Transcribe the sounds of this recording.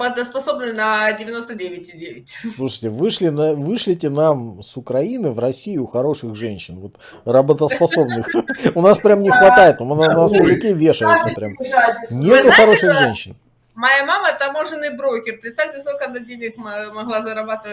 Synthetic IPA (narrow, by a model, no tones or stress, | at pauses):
bət̪əspɐso̞bnɨnɐdʲɪvʲɪno̞st̪ədʲevʲɪtʲɪdʲevʲɪtʲslˠuʂəjtʲɪvɨʂlʲɪnɐvɨʂlʲɪtʲɪnamsʊkɾɐinɨvrɐsʲijʊxɐɾo̞ʂɨxʐɛnʲɕɪnvot̪ | rəbət̪əspɐso̞bnɨxʊnaspɾʲamnʲɪxvɐt̪ajɪt̪ʊnasmʊʐɨkʲivʲeʂəjʊt̪səpɾʲamnʲet̪ɪxɐɾo̞ʂɨxʐɛnʲɕːɪn | mɐjamamət̪ɐmo̞ʐɨnːɨjbɾokʲɪrpɾʲɪt̪st̪afʲtʲɪsk̪olʲkənɐdʲenʲɪxmmɐɣlˠazɐɾɐbat̪ɨvə